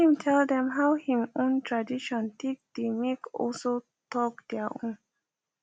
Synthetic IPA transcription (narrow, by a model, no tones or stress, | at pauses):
hĩmtʰɛld̪ɛ̃mɦawhĩmõntʰɹadiʃɔ̃nt̪ʰek̚d̪̥emekɔ̰lso | tɔk̚d̪̥ɛaʔõ̰n